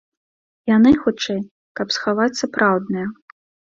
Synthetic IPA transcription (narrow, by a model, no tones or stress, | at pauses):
janɨxut͡ʂɛj | kɐpsxavat͡sʲsapɾʔawd̪nɨjɐ